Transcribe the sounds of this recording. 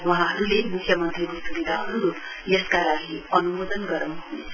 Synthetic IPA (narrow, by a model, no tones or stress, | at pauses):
wuɦãɦʌɾulemikʰjʌmʌnt̪rikosubid̪ʱaɦʌɾuɾo | jʌskalaɡiʌnumod̪ʌnɡʌɾʌw̃ɦunet͡sʰʌ